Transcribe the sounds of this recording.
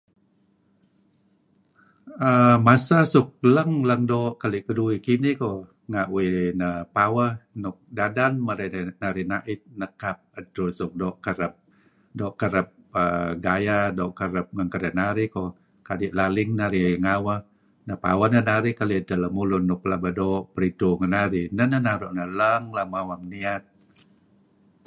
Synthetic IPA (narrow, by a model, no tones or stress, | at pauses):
əmasasuk̚ləŋləŋdoʔkaliʔkəduikiniko | ŋaʔwinəpawəhnʊk̚dadanməɾanaɾinaʔɪt̪̚nəkap̚əd̪ɾusʊk̚dɔʔkəɾəp̚ | dɔʔkəɾəp̚ | ə̰ɡajadɔʔkəɾəp̚ŋəŋkəɾənaɾiko | kadiʔlalɪŋnaɾiŋawəh | nəpa̰wənənaɾikalit̪ələmulʊnːʊklabədɔʔpəɾituŋənaɾinənənaɾɔʔnələŋlamawaŋniat̪̚